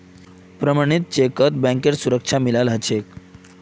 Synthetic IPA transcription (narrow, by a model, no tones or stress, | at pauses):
pɾəmaɽ̃it̪̚t͡ɕekət̪̚bɛ̃ŋkeɾsuɾəkʂʰamilalɦət͡ɕʰek